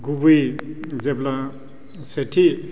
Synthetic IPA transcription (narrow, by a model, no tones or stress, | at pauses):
ɡubujzebla | seʈʰi